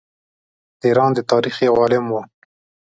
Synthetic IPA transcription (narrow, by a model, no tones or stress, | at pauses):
d̪iɾɑːnd̪ət̪ɑːɾixewɑːlɪmwo